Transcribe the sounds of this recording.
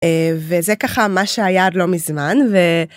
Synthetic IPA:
evezekaχamaʃeajadlo̞mizmanve

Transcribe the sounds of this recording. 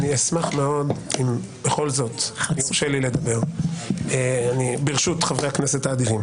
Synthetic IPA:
niasmaχme̞o̞d̪im | b̥e̞χo̞lzo̞tnioʃelile̞d̪abe̞ʁ | eanibeʁʃutχavʁehaknesetaːdivim

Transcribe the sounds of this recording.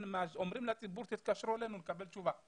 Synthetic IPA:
nmazɔmɾimlat͡sʼibuɾt̪ɛt̪kaʃɾolɛnunkabɛlt͡ʃuva

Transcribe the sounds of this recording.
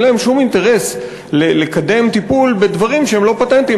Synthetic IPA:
lae̞mʃumint̪e̞ʁe̞s | lelekad̪e̞mt̪ipulbe̞d̪vaʁimʃeemlo̞pat̪ent̪i

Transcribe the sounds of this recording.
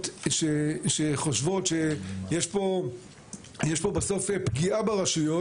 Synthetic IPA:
tʃeʃeχoʃvo̞tʃejeʃpo̞ | jeʃpo̞baso̞fepɡiabaʁaʃujo

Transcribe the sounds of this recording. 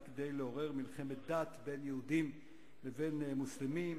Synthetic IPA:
ked̪e̞jleo̞ʁe̞ʁmilχe̞met̪̚d̪at̪be̞njehudim | leve̞nmuslemim

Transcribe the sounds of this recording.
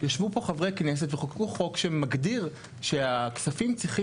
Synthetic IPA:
jaʃvupo̞χavʁejknes̬et̪veχokuχo̞kʃemaɡdiʁ | ʃeaksafimt͡sʁiχi

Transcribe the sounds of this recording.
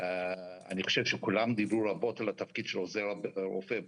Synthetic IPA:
a̰niχoʃev̥ʃekulamd̪ibɾuɾabo̞t̪alat̪afkid̪ʃelozeɾɾo̰fe

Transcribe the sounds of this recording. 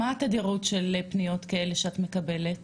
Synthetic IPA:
at̪adiʁutʃelepnijo̞t̪kae̞leʃeat̪me̞kabe̞let

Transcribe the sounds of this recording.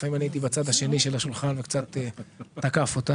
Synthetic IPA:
faimanieit̪̬ibat͡sad̪haʃe̞niʃe̞laʃulχanvekt͡sat̪eːakafo̞t̪a

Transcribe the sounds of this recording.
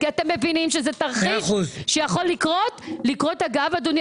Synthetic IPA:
kiat̪emːe̞vinimʃezet̪aʁχuzʃejaχo̞lːikʁo̞tlikʁo̞taɡavad̪unj

